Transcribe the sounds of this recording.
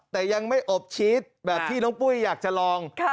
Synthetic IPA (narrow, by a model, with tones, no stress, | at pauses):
t̪ɛː˨˩ja˧ŋma˥˩jʔo˨˩p̚t͡ɕʰiː˦˥t̪̚bɛː˨˩p̚t̪ʰiː˥˩nɔː˦˥ŋpu˥˩jːaː˨˩k̚t͡ɕa˨˩lɔː˧ŋ